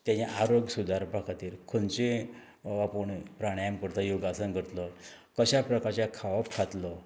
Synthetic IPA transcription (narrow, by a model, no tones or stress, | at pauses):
t̪jãt͡ɕeʔaɾoɡsud̪ʱaɾbʱakʰat̪iːɾkʰont͡ɕe | apəɳpɾaɽ̃ajəmkəɾt̪ajuɡasənɡʱəɾt̪lɔ | kəɕapɾəkaɾt͡ɕjakʰaʋapkʰat̪lɔ